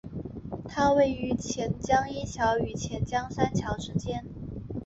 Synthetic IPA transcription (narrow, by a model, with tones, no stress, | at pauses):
t̪ʰa˥we˥˩ɪy˧˥t͡ɕʰjɛ˧˥nt͡ɕjɑ˥ŋi˥t͡ɕʰjɑ˧˥ʊy˨˩t͡ɕʰjɛ˧˥nt͡ɕjɑ˥ŋsa˥nt͡ɕʰjɑ˧˥ʊʂɻ̩˧˥t͡ɕjɛ˥n